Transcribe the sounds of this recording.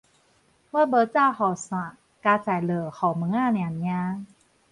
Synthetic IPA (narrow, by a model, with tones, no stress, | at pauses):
waː˧˥˩bɤː˧˦t͡saː˧hɔ˨˩sa˨˩ | kaː˧saː˨˩˦lɤː˨˩xɔ˨˩mɯ˧˦ŋaː˥˨ni˨a˨˩n˧˦aː˧˦ŋ